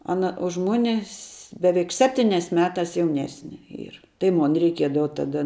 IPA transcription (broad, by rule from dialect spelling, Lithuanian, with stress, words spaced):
ˈɑːnɐ ʊʃ ˈmʊnʲɪ sʲ ˈbʲæːʋʲɛɪk ˈsʲæːpʲtʲiːnʲɛs ˈmʲæːtɐs jɛʊˈnʲæːsʲnʲɛ ˈiːr tɐɪ ˈmoːn rʲɛɪˈkʲiɛdɐʋɐ ˈtɑːdɐ